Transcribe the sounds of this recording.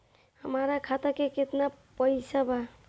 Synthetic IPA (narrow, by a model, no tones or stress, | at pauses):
həmaɾakʰat̪akeket̪napəɪsaba